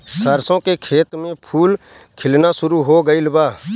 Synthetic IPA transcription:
səɾsõkekʰeːt̪mẽpʰuːl | kʰɪlnasʊɾuɦoɡəilbaː

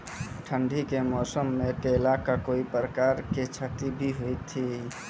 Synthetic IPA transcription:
ʈʰəɳɖʱikemɔːsəmːeʈelakakoipɾəkaɾket͡ʃʰət̪ibʱiɦojt̪ʰːi

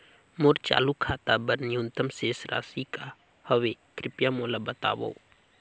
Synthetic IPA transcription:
moːɾt͡ʃa̰ːlukʰaːt̪abɐɾnjunt̪əmseːsɾa̰ːsika | həʋekɾɪpjamoːlabɐt̪a̰ːʋo̰ː

